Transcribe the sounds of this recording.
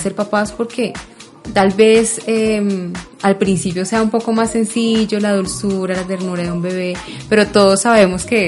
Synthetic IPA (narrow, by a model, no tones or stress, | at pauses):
se̞ɾpapaspo̞ɾke̞ | t̪albe̞semalpɾinsipjo̞se̞aumpo̞ko̞masːe̞nsiʝo̞laðulsuɾalat̪̬e̞ɾnuɾaðeumbe̞β̞e̞ | pe̞ɾo̞t̪o̞ðo̞sːaβe̞mo̞ske